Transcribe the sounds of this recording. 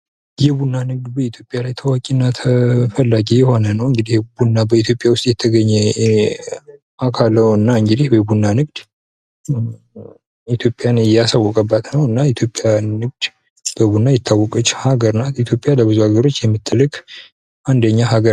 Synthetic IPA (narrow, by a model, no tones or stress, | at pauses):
jɛbunːanɨɡ̚d̪bəit̪ʰjo̞pʼjalajt̪ʰəwakʼinːat̪ʰəfəlːaɡijɛho̞nənəwɨŋɡɨd̪ihbunːabəit̪ʰjopʼjawʊst̪ʼjɛt̪ʰːəɡəɲːɛ | akʰalːəwɨnːaɨŋɡɨd̪ihbəbunːanɨɡd̪̥ | it̪ʰjo̞pʼjanɨjasawːɔkʼəbːat̪nəwɨnːait̪ʰjopʼːjanːɨɡ̚d̪̥ | bəbunːajɪt̪ʰːawːɔkʼət͡ʃːhaɡəɾnat̪it̪ʰjo̞pʼjaləbɨzuhaɡəɾo̞t͡ʃːjɛmːɨt̪ʰʼːɨlːɨkʼ | ʔand̪əɲːaɦaɡəɾ